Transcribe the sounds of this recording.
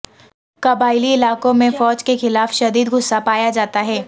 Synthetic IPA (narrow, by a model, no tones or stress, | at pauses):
kɐbaːɪliɪlaːkõmẽfɔːd͡ʒkexɪlaːfʃɐd̪iːd̪ɡʱʊsːapaːjad͡ʒaːt̪aɦɛː